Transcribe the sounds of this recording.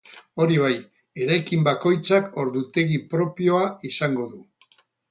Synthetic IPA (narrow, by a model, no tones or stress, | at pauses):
o̞ɾiβaj | e̞ɾajkimbako̞jt͡sako̞ɾðut̪e̞ɣipɾo̞pio̞aisaŋɡo̞ðu